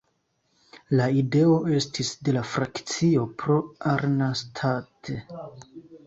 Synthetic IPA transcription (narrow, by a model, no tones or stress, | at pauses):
laide̞o̞e̞stisde̞lafɾakt͡sio̞pɾo̞aɾnastʰatʰe